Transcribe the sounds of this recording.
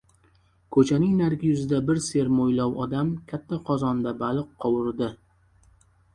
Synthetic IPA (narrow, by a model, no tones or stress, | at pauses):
kʰɵt͡ʃʰanɪŋnaɾɡʲɪjʊzɪd̪abɪɾse̞ɾmojlɒwɒd̪amkʲʰat̪ʰːaqʰɒzɒnd̪abalɨqʰːɒwɪɾd̪ɪ